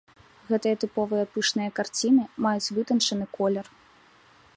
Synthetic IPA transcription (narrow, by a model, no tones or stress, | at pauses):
ɣɛt̪ɨjɐt̪ɨpɔvɨjɐpɨʂnɨjɐkart͡sʲinɨmajut͡sʲvɨt̪ɐnt͡ʂɐnɨkɔlʲɛr